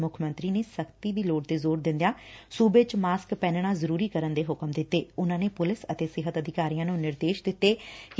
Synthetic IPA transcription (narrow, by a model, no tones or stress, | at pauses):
mʊkʰmə̃nt̪ɾiːneːsəkʰt̪iːbiːloːɖt̪eːzoːɾd̪ɪ̃nd̪jãːsuːbet͡ʃmaːskpɛ̃ːnɽ̃ãːzəɾuːɾiːkəɾənd̪eːɦʊkəmd̪ɪt̪ːeːʊnãːneːpʊlɪsət̪eːsɪɦət̪əd̪ʱɪkaːɾijãːnũːnɪɾd̪eːʃd̪ɪt̪ːeːk